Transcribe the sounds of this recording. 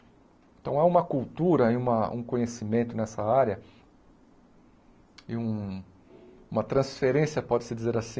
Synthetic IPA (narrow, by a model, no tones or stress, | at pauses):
eẽnt̪ɐ̃w̃aũmɐkuwt̪uɾɐɪũmɐṵ̃kõɲesimẽnt̪ʊnɛsɐaɾjɐ | ɪũ | ũmɐt̪ɾɐ̃sfeɾẽsiɐpɔd͡ʒɪsɪd͡ʒizeɾasĩ